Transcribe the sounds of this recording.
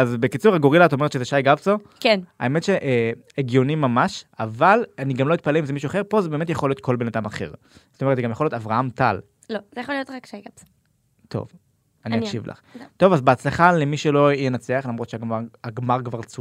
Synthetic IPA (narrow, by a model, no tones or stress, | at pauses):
azbe̞kit͡suʁaɡoʁilat̪o̞metʃezeʃajɡabso | kena̰e̞metʃeʔ | eɡjonimːamaʃavalaniɡamlo̞it̪̚paleimzemiʃuaχeʁpo̞zebeːme̞t̪̬jaχolijo̞t̪̚kʰo̞lbe̞nadamaχe̞̰ʁ | zsotomtzeɡamjaχlijotavʁaamta̰l | lozejaχolijotakʃajɡabso̥ | tʰo̞̰v | anianʃivlʔa̰χt̪o̞vazbeat͡slaχalemiʃelo̞jenat͡seaχlamʁotʃeaɡmaaɡmaʁkvaʁt͡su